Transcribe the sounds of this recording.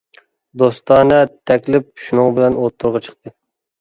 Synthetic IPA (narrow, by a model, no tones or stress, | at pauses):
d̪ost̪ɑːnət̪ʰɛkʲlɪp̚ʃunɨŋbɪlɛnot̪ʰːuɾʁɑt͡ʃʰə̥q̚t̪ɨ